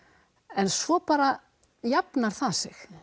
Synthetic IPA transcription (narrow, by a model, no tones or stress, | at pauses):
ɛnsvɔpaːɾa | japnaɾ̥θasɪx